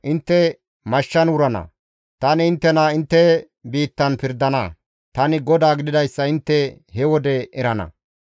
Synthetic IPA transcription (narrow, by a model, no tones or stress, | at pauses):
ʔɪnt̪ːɛ | mɐʃːɐnʊɾɐnɐ̰ | t̪ɐnɪɪnt̪ːɛnaɪnt̪ːɛ | biːt̪ːɐnpɪɾd̪ɐnɐ̰ | t̪ɐnɪɡɔd̪aːɡɪd̪ɪd̪ɐjsːɐɪnt̪ːɛ | hɛwɔd̪ɛʔɛɾɐnɐ̰